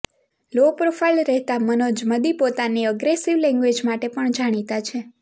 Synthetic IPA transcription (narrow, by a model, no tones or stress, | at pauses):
lopɾofʰajlɾɛɦt̪amənod͡ʒməd̪ipot̪aniəɡɾesiʋlɛ̃ŋɡʋed͡ʒmaʈepəɳd͡ʒaɽ̃it̪at͡ʃʰe